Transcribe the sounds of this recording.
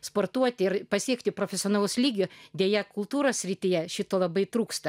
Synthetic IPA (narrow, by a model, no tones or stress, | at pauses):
spoːrt̪uɔt̪ʲɪɪɾpɐsʲiɛkt̪ʲɪpɾoːfʲɛsʲɪoːnɑːlˠuːslʲiːɡʲʊd̪ʲeɛjɛkʊlˠt̪uːɾoːsʲsʲɾʲɪt̪ʲɪjɛʃʲɪt̪oːlˠɐbɐɪt̪ɾuːkst̪ɐ